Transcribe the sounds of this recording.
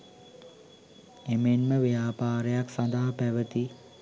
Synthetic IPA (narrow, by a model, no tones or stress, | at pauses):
emenməʋejaːpaːɾəjaksand̪aɦapæʋət̪i